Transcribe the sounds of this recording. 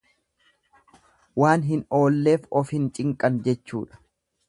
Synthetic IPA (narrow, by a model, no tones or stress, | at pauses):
waːnɦɪno̞ːlːe̞ːfɔfhɪnt͡ʃʼɪŋkʼɐnd͡ʒɛt͡ʃːṵːᶑɐ̥